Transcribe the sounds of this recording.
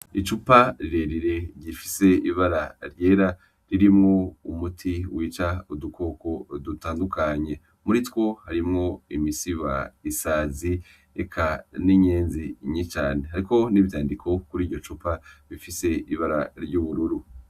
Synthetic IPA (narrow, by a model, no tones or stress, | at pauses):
it͡ʃupaɾiɾe̞ɾiɾe̞ɾɟifi̥se̞iβaɾaɾje̞ːɾa | ɾiɾimŋo̞umutʰiwiːt͡ʃaudukʰo̞ko̞d̪utaːndukʰaɲe̞ | muɾitwo̞haɾimŋo̞imisiβaisaːzi | ḛkʰaniɲeːnziɲit͡ʃaːnehaɾiko̞niβjaːndikʰo̞kuɾiːɾɟo̞t͡ʃupaβifise̞iβaɾa̰ɾɟuːβuɾuɾu